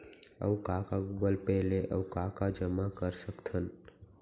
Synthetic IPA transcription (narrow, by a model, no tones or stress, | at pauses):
ə̰ʋkaːkaɡuɡəlpɛɦleʔə̰wkaːkad͡ʒəmakəɾsəkt̪ʰən